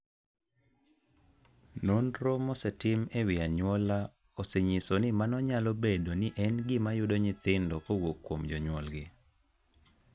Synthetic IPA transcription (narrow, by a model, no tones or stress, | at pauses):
nondɾomɔsetɪmewɪaɲwɔla | oseɲɪsonɪmanɔɲalobedonɪʔɛnɡɪmajʊdoɲɪt̪ɪndɔʔowokːwomd͡ʒɔɲwɔlɡɪ